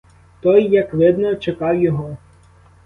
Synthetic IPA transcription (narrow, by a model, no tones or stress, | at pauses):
t̪ɔjːɐkʋɪd̪nɔt͡ʃekɑwjɔɦɔ